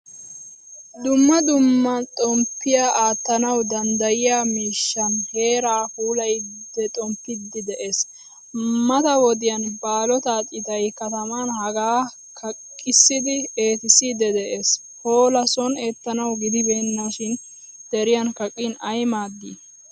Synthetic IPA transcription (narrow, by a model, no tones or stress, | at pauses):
d̪ʊmːɐd̪ʊmːɐnt̪ʼɔmpːɪjaːʔaːt̪ːɐnɐwd̪ɐnd̪ɐjɪjaːmiːʃːɐnhe̞ːɾaːhuːlɐj | d̪ɛt̪ʼɔmpːɪd̪ːɪd̪ɛʔe̞ːs | mɐt̪ɐwɔd̪ɪjɐnbaːlɔt̪aːt̪ʼɪt̪ɐjkɐt̪ɐmɐnhɐɡaː | kʰɐkʼːɪsːɪd̪ɪe̞ːt̪ɪsɪd̪ɛd̪ɛʔe̞ːs | ho̞ːlɐsɔne̞ːt̪ːɐnɐwɡɪd̪ɪbe̞ːnːaʃɪn | d̪̥ɛɾɪjɐnkɐkʼːɪnɐjmaːd̪ḭː